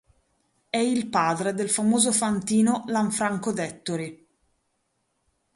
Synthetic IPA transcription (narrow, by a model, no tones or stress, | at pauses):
ɛilpaːd̪ɾed̪elfamoːzofant̪iːnolaɱfɾaŋkod̪ɛt̪ːoɾi